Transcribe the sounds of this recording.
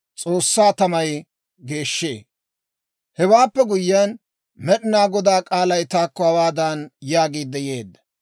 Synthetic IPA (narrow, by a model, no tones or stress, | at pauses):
t͡sʼo̞ːsːaːt̪ɐmɐj | ɡe̞ːʃːe̞̰ː | hɛwaːpːɛɡʊjːɪan | mɛɗɪnaːɡɔd̪aːkʼaːlɐjt̪aːkːɔhɐwaːd̪aːnjaːɡiːd̪ːɛje̞ːd̪ːɐ̥